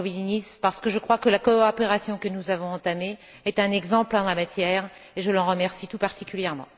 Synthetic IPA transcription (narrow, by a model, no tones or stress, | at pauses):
vinispaʁsə̥kəʒəkχwakəlakoɔpeʁasjɔ̃kənuzavɔ̃ɑ̃t̪ameɛt̪ɛ̃nɛɡzɑ̃pld̪ɑ̃lamat̪jɛːʁeʒəlɑ̃ʁəmɛʁsit̪upaʁt̪ikʲyljɛʁmɑ̰̃